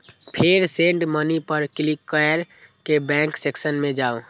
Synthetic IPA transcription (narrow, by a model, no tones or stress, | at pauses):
pʰeɾsẽːɳɖmənipəɾkɪlikːəɾ | kebɛ̃ːŋkseksənmẽd͡ʒaːo